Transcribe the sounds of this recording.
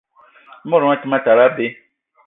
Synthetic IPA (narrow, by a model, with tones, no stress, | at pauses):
mɔ̃˦ɾɔ˨˦ã˦ti˦mã˦ta˨ɾa˦be˦